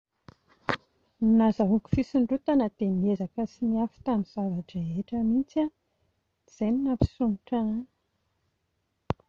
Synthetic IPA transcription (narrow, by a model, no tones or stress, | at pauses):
nazaɦuki̥fisiɳɖ͡ʐut̪anəd̪̥emiezakəsimiafi̥t̪amiz̥avaʈ͡ʂaeʈ͡ʂəmit͡sa | z̥ejninapi̥suniʈ͡ʂaani̥